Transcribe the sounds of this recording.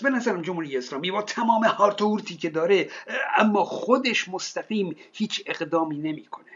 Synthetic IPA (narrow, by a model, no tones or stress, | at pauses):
be̞næzæɾæmd͡ʒomhuːɾijeːslɒːmiːbɒːt̪ʰæmɒːmehɒːɾt̪ʰouɾt̪ʰiːcʰe̞d̪ɒːɾeʔæmːɒːxod̪e̞ʃmost̪æɡiːmhiːt͡ʃʰe̞ɣd̪ɒːmiːne̞miːkʰo̞ne